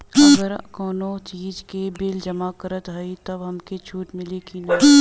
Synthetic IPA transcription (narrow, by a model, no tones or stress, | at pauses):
ɐɡəɾkɔːnot͡ʃiːd͡ʒkebeːld͡ʒɐmakəɾət̪ɦɐit̪ɐbɦɐmket͡ʃʰuːʈmɪlekinɐ